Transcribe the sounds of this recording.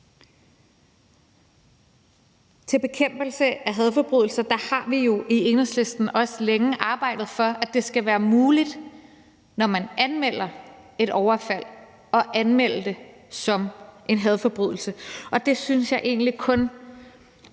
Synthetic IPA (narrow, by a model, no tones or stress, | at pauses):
t͡sʰe̝b̥e̝kʰem̰b̥l̩səæɦɛð̞ˠfɒ̽b̥ʁyðˠl̩sɐd̥ɑ̈hɑ̈ʋijo̝ʔie̝nɐsle̝sd̥n̩ɒ̽səleŋəʔɑ̈ːb̥ɑ̈ɪ̰d̥ð̩ˠfɒ̽ʔæd̥e̝sɡ̥æʋæːɐmuːlid̥ | nɒmænænmel̰ɐ | e̝ɾ̥ɒʊɐfæl̰ | ɒ̽ʔænmel̰ɐd̥e̝ | sɒ̽mʔe̝nɦɛð̞ˠfɒ̽b̥ʁy̰ðˠl̩səʔɒ̽d̥e̝synsjɑ̈ɪʔe̝̰ːn̩likʰɔ̽n